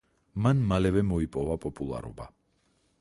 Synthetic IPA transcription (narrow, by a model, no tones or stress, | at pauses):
manmalɛvɛmɔipʼɔvapʼɔpʼulˠa̰ɾɔ̰ba